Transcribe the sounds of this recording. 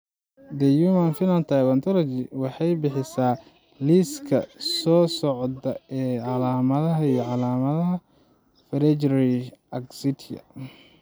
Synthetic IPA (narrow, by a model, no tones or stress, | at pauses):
d̪ɛjumɐnfɪnɐnt̪ʰajwɐnt̪ʰɔlɔt͡ʃɪwɑħɑjbɪħɪsaː | liskʰɐsɔːsɔʕd̪ɐɛːʕɑlaːmɐðɐɦɐijɞʕɑlaːmɐðɐɦɐ | fɾɛd͡ʒɾiɐɡsɪt̪ʰɐ̰